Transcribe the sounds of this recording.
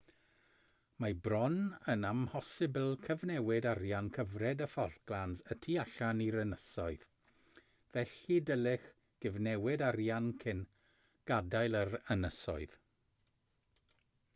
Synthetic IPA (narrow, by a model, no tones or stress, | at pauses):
mabrɔnənamhɔsɪblˠkʰəvnɛwɪdaɾjankʰəvrɛdəfɔrɡ̥lˠanzətʰiaɬaniɾənəsɔɨð̥ | vɛɬidəlˠɪχ | ɡ̥ɪvnɛwɪdaɾjankʰɪn | ɡ̥adajlˠəɾənəsɔ̰ɨð̥